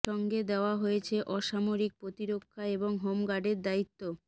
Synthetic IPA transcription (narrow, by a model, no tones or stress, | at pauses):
ɔŋɡed̪eoaɦojet͡ɕʰeʔɔʃamoɾik̚pɾot̪iɾokʰːaeboŋɦomɡaɖeɾd̪ait̪ːo